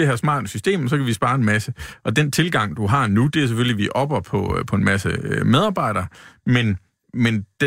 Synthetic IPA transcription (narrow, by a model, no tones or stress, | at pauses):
d̥e̝hæɐsmɑ̰̈ːd̥əsysd̥e̝̰ːmɒsɒ̽kʰæʋisb̥ɑ̈ːe̝nmæsəʔɒ̽d̥ent͡sʰe̝lɡ̥ɑ̈ŋ̰d̥uɦɑ̈nud̥e̝æɐs̬eføliʋiʔɒ̽b̥ɐpʰɒ̽pʰɒ̽e̝nmæsəømeð̞ˠɑ̈ːb̥ɑ̈ɪ̰ɾ̥ɐːmen | mend̥